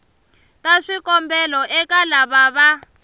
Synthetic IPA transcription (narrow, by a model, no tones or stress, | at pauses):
kaʂikɔmbɛlɔʔɛkalaβaβa